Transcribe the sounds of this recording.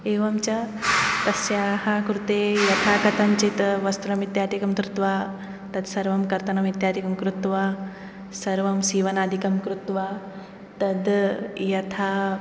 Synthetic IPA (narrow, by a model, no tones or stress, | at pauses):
eːʋɐmt͡ʃɐ | t̪ɐsjaːɦɐkɾut̪eːjɐt̪ʰaːkɐt̪ʰɐmt͡ʃit̪ʋɐst̪ɾɐmit̪jaːd̪ikɐmt̪ɾut̪ʋaː | t̪ɐd̪sɐɾʋɐmkɐɾt̪ɐnɐmit̪jaːd̪ikɐmkɾut̪ʋaː | sɐɾʋɐmsiːʋɐnaːd̪ʱikɐmkɾut̪ʋaː | t̪ɐd̪jɐt̪ʰaː